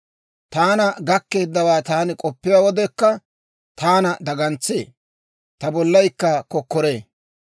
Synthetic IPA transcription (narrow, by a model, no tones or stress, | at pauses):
t̪aːnɐɡɐkːe̞ːd̪ːɐwaːt̪aːnɪkʼɔpːɪjawɔd̪ɛkːɐ | t̪aːnɐd̪ɐɡɐnt͡sːḛː | t̪ɐbɔlːɐjkːɐkɔkːɔɾe̞ː